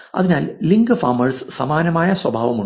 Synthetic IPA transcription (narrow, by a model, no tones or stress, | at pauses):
ɐ̰ðinaːlliŋɡɨfaːmɐrsɨ̥sɐmaːnɐmaːjɐswɐbʱaːʋɐmu